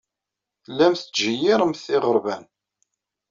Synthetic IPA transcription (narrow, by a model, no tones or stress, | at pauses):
θlːæmθʒəjɪɾəmθɪʁəɾˤvæn